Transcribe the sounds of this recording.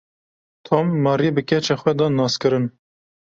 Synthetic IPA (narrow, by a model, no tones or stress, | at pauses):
t̪ʰomːɑːɾibɨkʲɛt͡ʃɛxʷɛd̪ɑːnɑːskɨɾɨn